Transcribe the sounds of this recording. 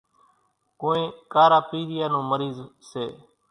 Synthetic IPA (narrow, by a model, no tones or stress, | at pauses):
koːẽːkaːɾaːpiːɾɪjaːnõːməɾiːzseː